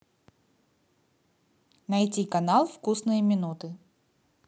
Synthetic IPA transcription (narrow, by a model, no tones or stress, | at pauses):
nɐjtʲikɐnalˠfkusnɨjəmʲɪnut̪ɨ